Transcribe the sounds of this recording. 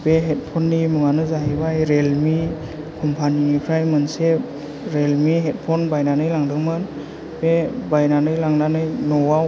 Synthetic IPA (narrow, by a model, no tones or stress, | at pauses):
beɦet̚pʰɔnːimɯŋanɯzaɦibajɾelmi | kʰɔmpʰaninipʰɾajmɯnse | ɾelmiɦet̚pʰɔnbajnanɯjlaŋdɯŋmɯn | b̥ebajnanɯjlaŋnanɯjnɔwaw